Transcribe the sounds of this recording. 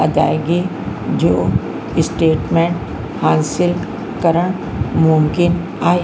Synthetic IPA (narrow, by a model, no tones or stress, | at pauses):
ɐd̪a̰ːeɡi | d͡ʒoː | ɪsʈeːʈmẽːɳʈ | hãːnsɪl | kəɾəɽ̃ | mʊmkɪn | aːe